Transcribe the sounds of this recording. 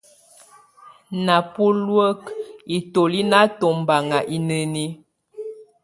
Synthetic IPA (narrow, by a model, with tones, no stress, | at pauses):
na˨pu˦lwə˦ki˨to˨li˦na˦to˨m˨ba˨ŋa˨ʔi˦nə˨ni˦